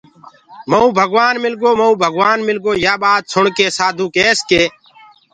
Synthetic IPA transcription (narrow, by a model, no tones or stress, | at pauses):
məũːbʱəɡʋaːnmɪlɡoːməũːbʱəɡʋaːnmɪlɡoːjaːɓaːd̪̚sʰʊɳkeːsaːd̪ʱũːkeːskeː